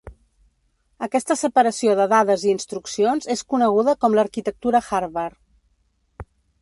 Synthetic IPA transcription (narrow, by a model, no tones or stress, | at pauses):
əkɛst̪əsəpəɾəsioðəðaðəziːnst̪ɾuksionzeskunəɣ̞uðəkɔmləɾkit̪ək̚t̪uɾəxaɾβər